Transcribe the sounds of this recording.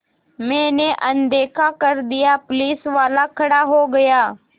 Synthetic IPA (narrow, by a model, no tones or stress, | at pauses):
mɛ̃ːneʔɐ̃nd̪eːkʰakɐɾd̪ijapʊliːsʋaːlakʰɐɽaɦoɡɐjaː